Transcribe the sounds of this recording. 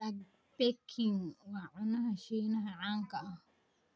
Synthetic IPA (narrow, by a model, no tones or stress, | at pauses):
a | pekʰiŋwaʔonãhãʃinãɦãʕaŋkaʔa